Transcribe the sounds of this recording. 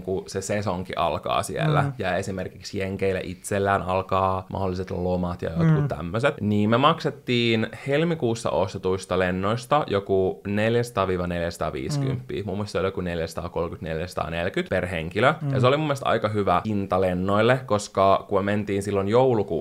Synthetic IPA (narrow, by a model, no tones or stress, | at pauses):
kusesesoŋkḭʔɑ̰lkɑ̰ːsiḛlːæ̰jæesimerkiksjeŋkeilːæ̰ʔit̪selːæːnɑ̰lkɑːmɑ̰holːˑiset̪lomɑt̪jɑ̰jkot̪kut̪t̪æ̰mːøset̪niːmemɑkset̪ːiːnhelmikuːsːɑ̰ʔost̪et̪uist̪ɑlenːoist̪ɑjokuneljæsɑ̥t̪ɑːʋiːʋɑneljæsɑ̥t̪ɑ̰ːʋḭːsky̰mpːḭːmumːuist̪soljokuneljæsɑ̥t̪ɑ̰ːkolmkyt̪neljæsɑ̥t̪ɑ̰ːnelkyt̪perɦeŋkiløjɑseolimumːelst̪ɑ̰ikɑɦyʋæint̪ɑlenːoilːekoskɑkumement̪iːnsilːonjoulukṵː